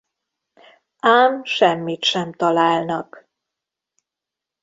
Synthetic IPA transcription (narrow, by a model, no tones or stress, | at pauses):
aːmʃɛmːit̪ʃɛmt̪ɒlaːlnɒk